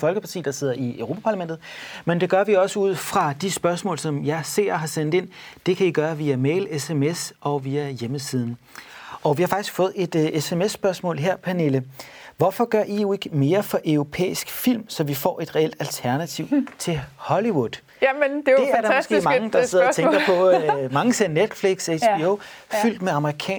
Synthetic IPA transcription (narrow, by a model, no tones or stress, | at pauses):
fɒ̽lɡ̥əpʰɑ̈t͡sʰḭːd̥ɑ̈se̝ð̞̰ˠɐiøʊʁo̝ːpʰæ̥pʰɑ̈læmend̥ð̩ˠmend̥e̝ɡ̥ɶɐʋiɒ̽səuð̞̰ˠfʁɑ̈d̥isb̥ɶɐsmɔ̰̽ːlsɒ̽mjɑ̈ɪse̝̰ɐ̰ɦɑ̈sen̰d̥e̝n̰d̥e̝kʰæiɡ̥ɶːɐʋiæmeːɪlesemesɒ̽ʋiæjeməsiːð̞ˠn̩ʔɒ̽ʋihɑ̈fɑ̈ɡ̥isɡ̥fɔ̽ːð̩ˠe̝d̥esemesːb̥ɶɐsmɔ̰̽ːlɦe̝ɐ̰pʰæne̝ləʋɒfɒ̽ɡ̥ɶɐ̰ʔijoe̝ɡ̥əme̝ːɐfɒ̽ʔœʊʁo̝pʰḛːisɡ̥fil̰msɒ̽ʋifɒ̰ːʔe̝d̥ʁɛel̰d̥ælt͡sʰæɐnæt͡sʰiʊt͡sʰe̝hɒ̽liwuð̥ˠ | ddeæɐd̥ɑmsɡ̥e̝̰ːmɑŋəd̥ɑse̝ðˠɒt͡sʰeɡ̥ɐpʰɒ̽mɑ̈ŋəse̝ned̥fliɡ̥seb̥ioʊ | fyl̰d̥meɑ̈məʁikʰɛ̰ː